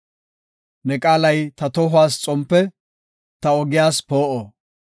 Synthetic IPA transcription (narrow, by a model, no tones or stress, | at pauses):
nɛkʼaːlɐjt̪ɐt̪ɔɦʊwaːst͡sʼɔmpːɛ | t̪ɐɔɡɪjaːspoːʔoː